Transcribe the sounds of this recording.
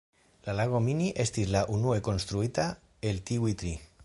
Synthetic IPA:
lalaɣ̞ominiʔest̪izlaʔunuekonst̪ɾuit̪a | elt̪iwit̪ɾi

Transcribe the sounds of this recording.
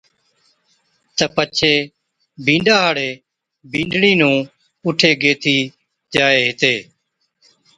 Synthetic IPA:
t̪əpət͡ʃʰeː | bʱĩːɳɖaːɦaːɽeː | bʱĩːɳɖɽiːnũː | ʊʈʰeːɡeːt̪ʰiː | d͡ʒaːeːɦɪt̪eː

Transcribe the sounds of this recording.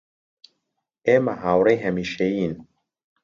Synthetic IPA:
emaɦawɾeɦɛmiʃein

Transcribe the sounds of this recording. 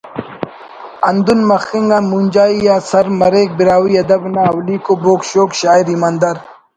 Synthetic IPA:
ɐnd̪unmɐxiŋɡamund͡ʒaːijaːsɐɾmɐɾeːk̚biɾaːwiːɐd̪ɐbnaɐwliːkoːboːkɕoːkʃaːiɾimɐnd̪ɐɾ

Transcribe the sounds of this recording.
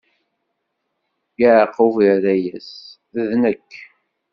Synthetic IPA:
jaʕqːuviðæjæs | əðnəkː

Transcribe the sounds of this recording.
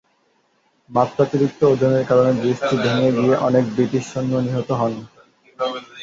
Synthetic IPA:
mat̪ɾat͡ɕiɾik̚t̪ood̪ʱːineɾkaɾoned̪ɾiʃʈʰibʱeŋeɡieʔɔnek̚bɾiʈiʃːonːoniɦot̪oɦɔn

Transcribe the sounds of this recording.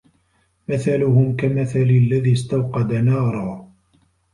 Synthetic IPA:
mɪθalʊɦʊmkamaθalɪlːaðiːst̪awqɑd̪anɑːɾˤɑ

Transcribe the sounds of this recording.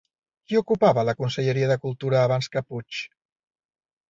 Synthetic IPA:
kiukupaβələkunsəʎəɾiəðəkulˠt̪uɾəːβanskəput͡ʃ

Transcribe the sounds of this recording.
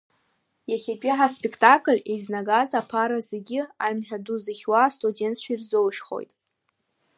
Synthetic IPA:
jaχʲapʼiħaspʼekʰtʼakʼɨlʲejznaɡazapʰaɾazeɡʲɪajmħᶣaduzɨχʲwastʼude̞ntʰʃʷairzowʂχo̞̰jtʼ

